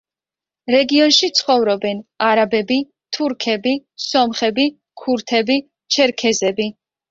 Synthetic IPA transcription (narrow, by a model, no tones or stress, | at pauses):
ɾɛɡiɔnʃit̪sʰχɔvɾɔbɛnaɾabɛbi | t̪ʰuɾkʰɛbisɔmχɛbi | kʰuɾt̪ʰɛbi | t͡ʃʰɛɾkʰɛzɛbi